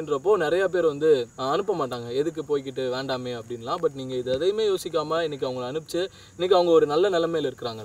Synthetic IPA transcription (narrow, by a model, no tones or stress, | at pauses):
ɪnɾɐp̬ːoːnɪɾɐjaːp̬eːɾʋɐnd̪ɯɐnɯpːɐmaːʈːaːŋɡɐɛðɯk̬ːɯpoːjk̬ːɪʈːɯʋeːɳɖaːmeːɐpːɐɽɪnːɐlãːbɐʈ̬ːniːŋɡɐɪðɯɐðɐjmeːjoːsɪk̬ːaːmaɪnːɛk̬ʲːɐʋɐŋɡɐɭɐnɯpɪt͡ʃːɯ | ɪnːɪkːɯɐʋɐŋɡɐɔɾɯnɐlːɐnɛlɐmːeːlɪɾɯkːɯɾaːŋɡɐ